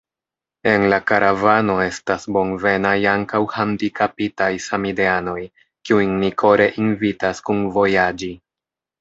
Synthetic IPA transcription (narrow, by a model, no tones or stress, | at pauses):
e̞nlakaɾavano̞e̞stasbo̞nve̞najaŋkawhandikapitajsamideano̞j | kiujnikʰo̞ɾe̞ʔinvitaskunvo̞jad͡ʒi